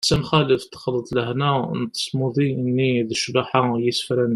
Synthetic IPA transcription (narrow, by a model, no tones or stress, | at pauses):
sænxæləft̪xɑlːət̪ˤləhnæ̰nt̪ə̥smuðˤiʔənːiðəʃbaħajəsfɾæn